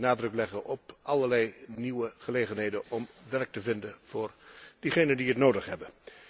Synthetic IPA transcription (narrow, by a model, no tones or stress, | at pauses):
naːdrɵklɛχənʔɔpʔɑləɹlɛjniwəχəlejχənɦejdənʔɔmʋɛɹk̚təvɪndənv̥ʊːɹd̥iχejnəndiətnowdəχɦɛbə